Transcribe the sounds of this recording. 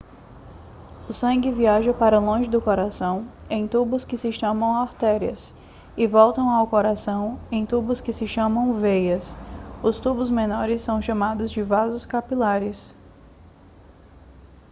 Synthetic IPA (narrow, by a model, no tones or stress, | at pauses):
ʊsɐ̃ŋɡɪviaʒɐpaɾɐlõʒɪd̪ʊkoɾasɐ̃w̃ẽj̃t̪ubʊskɪsɪʃɐ̃mɐ̃w̃aɾt̪ɛɾiɐs | ɪvɔwt̪ɐ̃w̃awkoɾasɐ̃w̃ẽj̃t̪ubʊskɪsɪʃɐ̃mɐ̃w̃vejɐsʊst̪ubʊzmẽnɔɾɪsːɐ̃w̃ʃɐ̃mad̪ʊzd͡ʒɪvazʊskapilaɾɪs